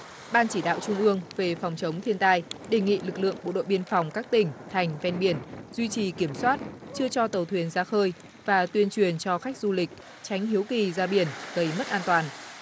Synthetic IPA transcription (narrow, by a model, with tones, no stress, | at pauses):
ɓaː˧nt͡ɕi˧˩ɗa̰ː˧˨wt͡ɕʊ˧ŋ͡mʔɨ˧əŋve˨˩fa˨˩wŋ͡mt͡ɕə˨˦wŋ͡mt̪ʰi˧ənt̪aː˧jɗe˨˩ŋḭ˧˨lɨ˨˩k̚lɨ̰˧˨əŋɓo̰˧˨ɗo̰˧˨ɓi˧ənfa˨˩wŋ͡mkaː˦˥k̚t̪ï˨˩ŋ̟t̪ʰa˨˩jŋ̟vɛ˧nɓi˧˩ənzwi˧t͡ɕi˨˩ki˧˩əmswaː˦˥t̚t͡ɕɨ˧ət͡ɕɔ˧t̪ə˨˩wt̪ʰwi˨˩ənzaː˧xəː˧j | vaː˨˩t̪wi˧ənt͡ɕwi˨˩ənt͡ɕɔ˧xa˦˥jk̟̚zu˧lï˨˩k̟̚ | t͡ɕa˨˦jŋ̟ɦi˨˦wki˨˩zaː˧ɓi˧˩ənɣə˧˩jmə˦˥t̚ʔaː˧nt̪waː˨˩n